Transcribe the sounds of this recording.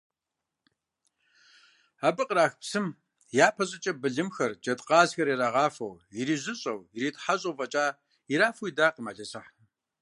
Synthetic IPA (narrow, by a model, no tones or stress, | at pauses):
abɨqəɾaːxpsɨm | jaːpʰɐɕʼɐt͡ʃʼɐbɨɮɨmxɐrd͡ʒʼɐtʼqɑːzxɐɾiɾaːʁɑːfɐ̰wjiɾiːʑɨɕʼɐwjiɾiːtʰʼħaɕʼowvɐt͡ʃʼaː | iɾaːfuidaːqəma̰ɮɐsɐħ